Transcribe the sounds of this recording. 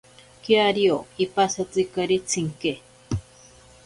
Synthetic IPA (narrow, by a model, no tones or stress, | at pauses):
kiaɾioipasat͡sikaɾit͡sʰiŋke